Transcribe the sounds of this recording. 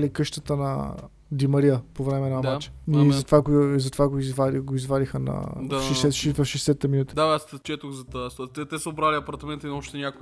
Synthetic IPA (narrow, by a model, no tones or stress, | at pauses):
likɤʃt̪ət̪ənɐ̰ | d̪imɐɾiəpovɾɛmɛnad̪at͡ʃɛ̥izɐt̪vaɡozɐt̪ovaɡoizvaliɡoizvaɾixənɐ̰d̪aʃɛsɛʃvɐfʃɛsɛt̪ɛminut̪i̥d̪aast͡ʃɛt̪ʊxzɐt̪st̪t̪ɛt̪ɛsəʊbɾalʲiɐpɐɾt̪ɐmɛnt̪əinɔt͡ʃt̪ɛnʲak